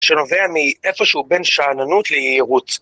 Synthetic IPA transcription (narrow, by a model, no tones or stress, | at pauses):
ʃeno̞veamiʔefo̞ʃehube̞nʃaːnanut̪lejeiʁut